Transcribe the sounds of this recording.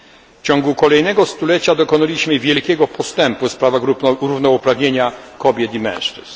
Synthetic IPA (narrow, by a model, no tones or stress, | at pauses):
ft͡ɕɔ̃ŋɡukɔlɛjn̪ɛɡɔst̪ulɛt͡ɕad̪ɔkɔnalʲiɕmɘvʲjɛlkʲɛɡɔpɔst̪ɛmpuspɾavaɾuvnɔupɾavɲeɲakɔbʲjɛt̪imɛ̰̃w̃ʂt͡ʂɘ̰z